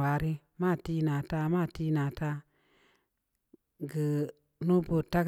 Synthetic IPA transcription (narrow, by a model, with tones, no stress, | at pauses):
a˨˦ɾi˦ | ma˦˨ti˦na˨ta˦ma˦˨ti˦na˨ta˦ | ɡə˨ | nu˦bo˨ta˦ɡ